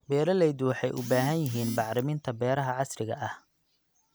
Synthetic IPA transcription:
bɛːɾɐlɛjd̪wɑħɑjʔʊ̰baːɦɐnjɪɦiːnbɑʕɾɪmɪnt̪ʰɐbɛːɾɐɦɐʕɑsrɪɣɐ̰ʔɐh

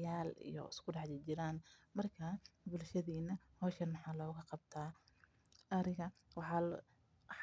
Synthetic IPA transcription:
aːlḭjɔ̰ɪ̰skʰʊɖɑħdɪt͡ʃɪɾaːnmɐrkʰaːbʊlʃɐðiːnɐhɔːʃɐnmɑħɑːlɔːɣɐqɑb̚t̪ʰaː | ɐɾɪɣɐwɑħɑ

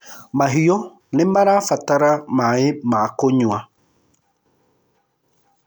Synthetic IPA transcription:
maɦijo | nɪmbaɾafataɾamaɪmaːkoɲua

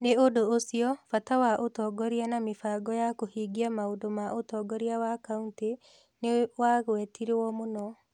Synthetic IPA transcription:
neodoosiɔfatawaʔotɔɡɔɾianamefaɡɔjakohiːɡiamaodomaʔotɔːɡɔɾiawakaunte | newaɣwɛtiɾewɔmonɔ

